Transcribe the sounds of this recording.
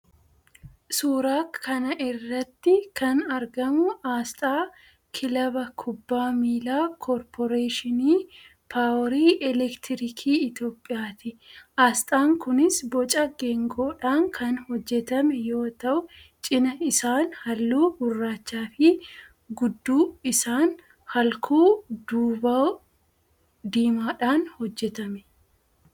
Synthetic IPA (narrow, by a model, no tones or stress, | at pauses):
suːɾaːkʰːɐnɐʔɪrːɐt̪ːɪkʰɐnɐɾɡɐmʊaːst̪ʼaː | kʰɪlɐbɐkʰʊbːaːmiːlaːkʰɔɾpʰɔɾeːʃɪniː | pʰaːwɾiːʔɛlɛkt̪ɪɾɪkʰiːɪt̪jo̞ːpʼːɪjaːt̪ɪʔaːst̪ʼaːŋkʊnɪsbɔt͡ʃʼɐɡɛŋɡoːᶑaːŋkʰɐnhɔd͡ʒːɛt̪ɐmɛjo̞ːt̪ɐʔʊt͡ʃʼɪnɐɪsaːnhɐlːuːhʊrːaːt͡ʃːaːfɪ | ɡʊd̪ːuːɪsaːn | hɐlkʰuːd̪uːbɐ | d̪iːmaːᶑaːnhɔd͡ʒːɛt̪ɐmɛ